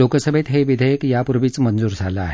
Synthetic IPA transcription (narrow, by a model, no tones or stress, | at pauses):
oːksəbʱet̪ɦeʋɪd̪ʱəjəkjapʊɾʋit͡smɐ̃nzuːɾsa̰ːla̰ɦ